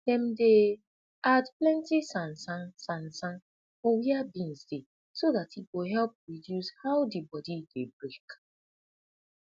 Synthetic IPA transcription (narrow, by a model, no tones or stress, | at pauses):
d̥ɛ̃mde | adplɛ̃ntisãnsãnsãnsãn | fɔwiabĩnsde | soðatiɡoɦɛlp̚ɹidjushawdibɔdidebɹek